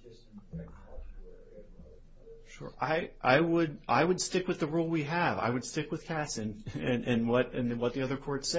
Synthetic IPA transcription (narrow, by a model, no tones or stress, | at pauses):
ʃʊ̰ɹʔaɪʔa̰ɪwədʔa̰ɪwɨdstɪkwɨðɨɹulˠwiəva̰ɪwɨd̥stɪkwɨð̥kʰætsɨ̃nɨ̃nʔɨ̃nwʌɾɨ̃nwʌt̪̚ðiʌðə˞kʰɔɹtsɛ